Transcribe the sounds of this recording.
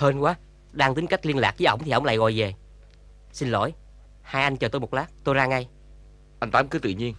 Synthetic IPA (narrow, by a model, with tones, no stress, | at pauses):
həː˧nkwaː˨˦ | ɗaː˧ŋt̪i˨˦ŋ̟ka˦˥k̟̚li˧ənla̰ː˨˩k̚viː˨˦ʔə˧˦wŋ͡mt̪ʰi˨˩ə˧wŋ͡mla̰ː˧˨˩ɣɔ̰˧˨jve˨˩ | si˧nlo̰˧˥˨j | haː˧jʔa˧jŋ̟t͡ɕəː˨˩t̪o˧jmo˨˩t̚laː˦˥k̚t̪o˧jzaː˧ŋa˧j | ʔa˧jŋ̟t̪aː˨˦mkɨ˨˦t̪ɨ̰˧˨ɲi˧ən